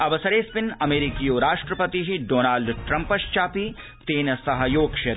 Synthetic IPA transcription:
ɐʋɐsɐɾeːspɪnɐmeːɾikijoːɾaːʂʈɾɐpɐt̪iɦiɖoːnaːlɖʈɾɐmpɐʃt͡ʃaːpi | t̪eːnɐsɐɦɐjoːɡʃɐ

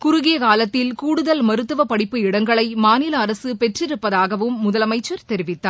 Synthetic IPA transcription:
kʊɾʊɣɪjɐkaːlɐt̪ːɪlkuːɽɯðɐlmɐɾɯt̪ːɯʋɐpɐɽɪpːɯɪɽɐŋɡɐɭɐɪmaːnɪlɐːɾɐsɯpɛʈrɪɾɯpːɐðaːɣɐʋɯmːʊðɐlɐmɐɪt͡ʃːɐɾt̪ɛɾɪʋɪt̪ːaː

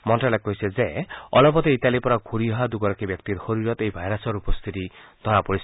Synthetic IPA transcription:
mɔnʈalakːɔɦised͡ʒeɔlɔpɔt̪eit̪alipɔɾaɡʱuɾiɔɦad̪uɡɔɾɔkibjɔkt̪iɾhoɾiɾɔt̪ejbʱajɾasɔɾupɔst̪ʰit̪id̪ʱɔɾapɔɾisʰ

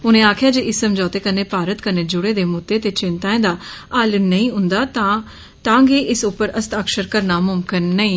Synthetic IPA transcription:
ʊnẽːaːkʰjaːd͡ʒeːʔɪsːəmd͡ʒɔːt̪eːkəneːpaːɾət̪kəneːd͡ʒʊɽeːd̪eːmʊd̪eːt̪eːt͡ʃɪnt̪ãːẽːd̪aːaːlənəĩːɦʊ̃nd̪aːt̪a | t̪ãːŋɡeːʔɪsʊpːəɾəst̪əkʃəɾkəɾnaːmʊmkɪnːəĩː

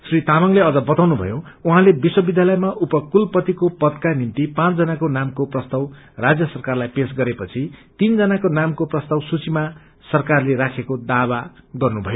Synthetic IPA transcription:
srit̪amʌŋleʌd͡zʌbʌt̪awnubʱʌ̰jouɦãlebiswʌbid̪ʱjalʌjmaʔupʌkulpʌt̪ikopʌd̪kanimt̪ipãt͡sd͡zʌnakonamkoprʌst̪ʌw | rad͡zjʌsʌrkarlajpes̬ɡʌɾepʌt͡sʰit̪ind͡zʌnakonamkoprʌst̪ʌwsut͡sima | sʌrkarleɾakʰekod̪abaɡʌrnubʱʌjo

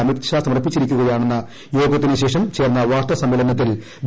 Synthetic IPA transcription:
ɐmet̪ɕaːsɐmɐrɐpːit͡ɕːiɾikʲːuɣɐjaːɳenːɐ | jo̞ːɡɐt̪ːinɨɕe̞ːʂɐmt͡ɕeːrnːɐʋaːrt̪ɐsɐmːelɐnɐt̪̬ːil | b

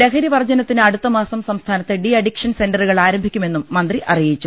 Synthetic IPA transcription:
lekʰɐɾiʋɐrd͡ʑɐnɐt̪ːinɨɐɽut̪ːɐmaːsɐmsɐmst̪ʰaːnɐt̪ːeɖiɐɽikʂɐnse̞ndɐruɣɐɭaːɾɐmbʱikʲːume̞nːumːɐnd̪riʔɐrijit͡ɕːu

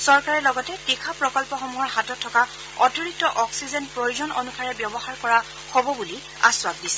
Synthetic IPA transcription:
sɔɹkaɹɛlɔɡɔtɛtikʰapɹɔkɔlpɔxɔmuɦɔɹɦatɔtʰːɔka | ɔtɔɹitːɔʔɔksizɛnpɹojuzɔno̰nukʰaɹɛbjɔbɔxaɹkɔɹa | xobɔbuli | a̰swab̚disɛ̥

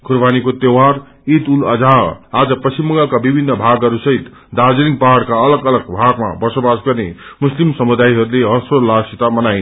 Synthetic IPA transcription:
ɡʰurbanikot̪ewar | it̪ulʌ̰d͡zaɦʌad͡zʌpʌsimːʌŋɡʌlkabibʱinːʌbʱaɡɦʌɾusʌɦit̪ | d̪ad͡zilipaɦaɽkaʌlʌɡʌlʌɡbʱaɡma̰bʌsobasɡʌrnemuslimsʌmud̪ajɦʌɾuleʌsolasit̪amʌnajn

